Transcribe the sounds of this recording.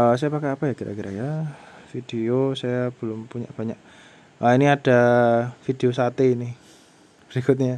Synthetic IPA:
əsajapakɛapajakiɾakiɾa̰jafid̥eosajab̥əlʊmpuɲa̰ʔb̥aɲaʔ | ʔainiad̥afideosat̪einɪ | b̥əɾikʊt̪̬̚ɲa

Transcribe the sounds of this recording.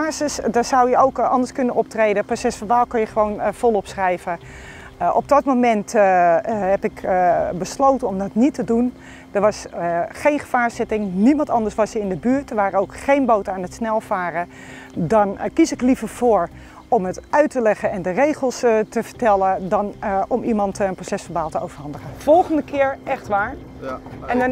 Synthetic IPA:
aːsɪsdɔsawjəowkʔɑndəɹskɵnənɔp̚trejdəprosɛsfɔnʋaːlˠkɔnjəχəʋownfɔlˠɔpsrɛjvə | ʔɔp̚dɔtmomɛnt | ɦɛpɪkbəslowtənɔmdɔtnitədun | dəɹʋɑsχejnχəvaːɹsɪtɪŋnimɑntɑndəɹsʋɑsəɪndəbyːɹt̚dəɹʋaːɾəowkχejnbowtaːnətsnɛlˠv̥aːrə | dɑnkisɪklivəɹv̥oːɹ | ɔmətœɥtəlɛχənɛndərejχəlˠstəvəɹtɛlədɑnʔɔmimɑntənprosɛsfəɹbaːlˠtəowvəɹɦɑndəχəfɔlˠχəndəkʰɪːɹʔɛxtʋaːɹ | ɛn

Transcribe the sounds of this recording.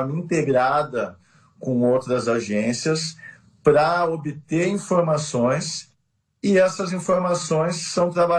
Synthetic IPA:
ĩnt̪eɡɾad̪ɐ | kõowt̪ɾɐzaʒẽsiɐs | pɾɐobɪt̪eĩfoɾmasõj̃s | ɪɛsɐzĩfoɾmasõj̃sːɐ̃w̃t̪ɾaba

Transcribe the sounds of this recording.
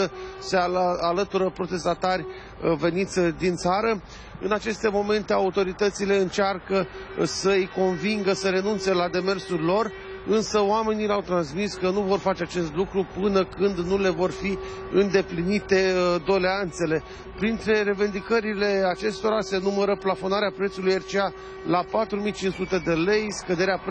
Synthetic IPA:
əse̞aalət̪uɾəpɾo̞t̪e̞st̪at̪arʲ | ve̞nit̪sʲd̪int̪saɾə | ɨnat͡ʃe̞st̪e̞mo̞me̞nt̪e̞aut̪o̞ɾit̪ət̪sile̞ɨnt͡ʃarkə | səjko̞nviŋɡəsəɾe̞nunt̪se̞lad̪e̞me̞rsurʲlo̞r | ɨnsəoame̞nileawt̪ɾansmiskənuvo̞rfat͡ʃeat͡ʃe̞st̪lukɾupɨnəkɨnd̪nule̞vo̞rfi | ɨnd̪e̞plinit̪e̞d̪o̞leant̪se̞le̞ | pɾint̪ɾe̞ɾe̞vend̪ikəɾile̞at͡ʃe̞st̪o̞ɾase̞numəɾəplafo̞naɾeapɾe̞t̪sulujert͡ʃea | lapat̪ɾumijt͡ʃinsut̪e̞d̪e̞le̞jskəd̪e̞ɾea

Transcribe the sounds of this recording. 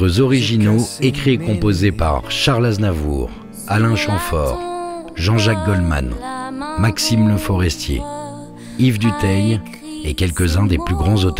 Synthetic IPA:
əzɔʁiʒinoekχiekɔ̃pozepa̰ʁʃaʁlaznavṵːʁ | alɛ̃ʃɑ̃fɔ̰ːʁʒɑ̃ʒak̚ɡɔlma̰nmaksimləfɔʁɛst̪jḛ | ivd̪yt̪ɛj | ekʲɛlkʲəzɛ̃d̪eplyɡʁɑ̃zot̪

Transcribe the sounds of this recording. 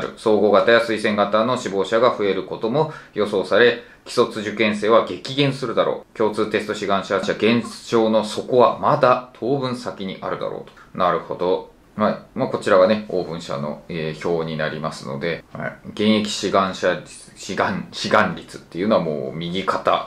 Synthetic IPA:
ɾɯ̟̰so̞ːɡo̞ːɡat̪ajasɨisẽ̞ŋɡat̪ano̞ɕibo̞ːɕaɡaɸɯ̟e̞ɾɯ̟ko̞t̪o̞mo̞jo̞so̞ːsaɾe̞ | kʲi̥so̞t͡sɨʑɨkẽɰ̃se̞ːβaɡe̞kʲiɡẽ̞ɰ̃sɨɾɯ̟d̪aɾʔo̞̰ːkʲo̞ːt͡sɨːt̪e̞sɨ̥t̪o̞ɕiɡãɰ̃ɕaɕaɡẽ̞ɰ̃ɕo̞ːno̞so̞ko̞βamad̪at̪ʰo̞ːbɯ̟̃ɰ̃sakʲiɲ̟iʔaɾɯ̟d̪a̰ɾo̰ːt̪o̥naɾɯ̟ho̞d̪o̞ | haimako̞t͡ɕiɾaɡaneo̞ːbɯ̟̃ɰ̃ɕa̰no̞̰eço̞ːɲ̟inaɾʲimasɨno̞̰d̪e̞ha̰ɡẽ̞ɰ̃e̞kʲi̥ɕiɡãɰ̃ɕa | ɕiɡaɕiɡãɲɾʲit͡sɨ̥t̪ːe̞iɯ̟no̞amo̰ːmʲiɡʲikat̪a̰

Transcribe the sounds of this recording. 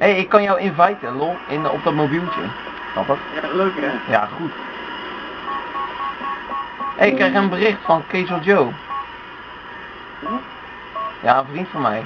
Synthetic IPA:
heɪkːɔnjowɪnvɛjtəloɪnɔ̰p̚dɔtmobilˠtə̰ | snɑ̰pəχ | ja̰χut | ɛɪkːrɛjxənbərɪxtfɔnkeːzəlˠd͡ʒow | jaːənfrintfɔnmɛ̰j

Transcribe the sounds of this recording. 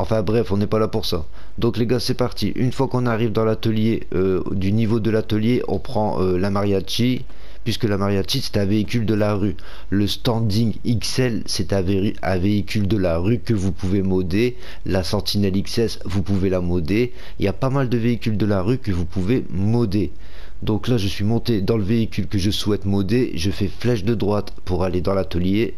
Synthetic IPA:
ɑ̃fɛ̃bʁɛfɔ̃nɛpalapuʁsa | d̪ɔ̃kleɡasɛpaʁt̪iʔynfwakɔ̃naʁivd̪ɑ̃lat̪əlje | ø | d̪ynivod̪əlat̪əljeʔɔ̃pχɑ̃ølamaʁjat͡ʃi | pɥiskəlamaʁjat͡ʃisɛ̥t̪ɛ̃veikʲyld̪əlaʁy | ləst̪ɑ̃d̪iŋiksɛlsɛt̪ɛ̃v | ɛ̰̃veikʲyld̪əlaʁykəvupuvemɔd̪e | lasɑ̃t̪inɛliksɛsvupuvelamɔd̪e | iljapamald̪əveikʲyld̪əlaʁykəvupuve | mɔd̪e | d̪ɔ̃klaʒəsɥimɔ̃t̪ed̪ɑ̃ləveikʲylkəʒəswɛt̪mɔd̪eʒəfɛflɛʃd̪əd̪ʁwat̪puʁaled̪ɑ̃lat̪əlje

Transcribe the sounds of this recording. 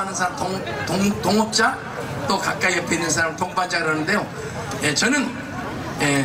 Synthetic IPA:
anɯnsʰaɾamto | toŋtoŋʌp̚t͡ɕ͈a | t͈okak̚k͈aiepenɯns̬ʰaɾamtok̚pand͡ʑ͈aɡɯɾʌnɯnde̞jo | jet͡ɕʌnɯn | je

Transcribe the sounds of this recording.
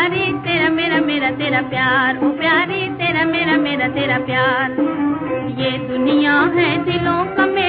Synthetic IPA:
ɾiːt̪eːɾaːmeːɾaːmeːɾaːt̪eːɾaːpjaːɾoːpjaːɾiːt̪eːɾaːmeːɾaːmeːɾaːt̪eːɾaːpjaːɾ | jeːd̪ʊnɪjãːɦɛːd̪ɪlõːkəmeː

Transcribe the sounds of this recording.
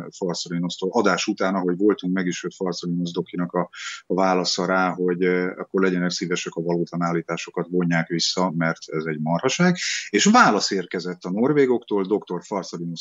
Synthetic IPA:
fɒrt̪solino̞st̪olʔɒd̪aːʃut̪aːnɒɦo̞ɟvo̞lt̪uŋkmɛɡiʃøt̪fɒrt̪solino̞zd̪o̞kinɒkɒvaːlɒsɒɾaːɦo̞ɟɒ̰kːo̞rlɛɟɛnɛksiːvɛʃɛkɒvɒloːt̪ɒnaːlːiːt̪aːʃo̞kɒt̪vo̞ɲːaːkʋisːɒmɛrt̪ʰɛzɛɟmɒrɒʃaːɡeːʃvaːlɒseːrkɛzɛt̪ːɒno̞rveːɡo̞kt̪oːld̪o̞kt̪o̞rfɒrt̪solino

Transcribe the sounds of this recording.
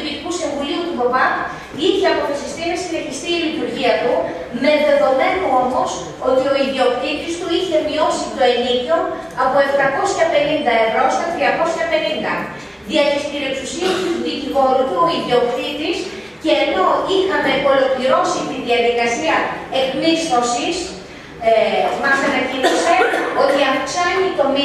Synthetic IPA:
piɾikusiɱvuliut̪uvopɐk | içeɐpo̞θesist̪inɐsine̞çist̪iːlit̪uɾʝiɐt̪u | me̞ðe̞ðo̞me̞noo̞mo̞s | o̞t̪io̞iðio̞kθit̪ist̪uiçe̞mio̞sit̪oenit̪o̞ | ɐpo̞e̞ft̪ɐko̞sçɐpe̞nind̪ɐe̞vɾo̞st̪ɐt̪ɾiɐko̞sçɐpe̞nind̪ɐ | ðiɐlist̪iɾeksusiɐst̪uzðicivo̞ɾut̪uo̞iðio̞kθit̪is | ceːno̞ixɐme̞ko̞lo̞kliɾo̞sit̪iðiɐðikɐsiɐeklisno̞sis | mɐsɐnɐciniseo̞t̪iɐfksɐnit̪o̞mi

